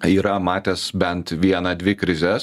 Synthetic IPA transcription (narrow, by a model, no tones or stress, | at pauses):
iːɾɐmɑːt̪ʲɛsbʲɛnt̪ʋʲiɛnɐd̪ʲʋʲɪkɾʲɪzʲɛs